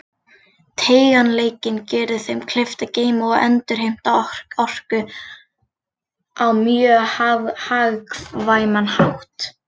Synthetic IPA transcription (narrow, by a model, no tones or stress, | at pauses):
t̪ʰeːjɣanleːjcɪncɛːɾðɪθejmkʰlɪft̪aceːjmaɛ̰nt̪ʏɾ̥hejm̥t̪ḁɔr̥kʏ | ʔawmjœahaɣkvaːjmanhawht̪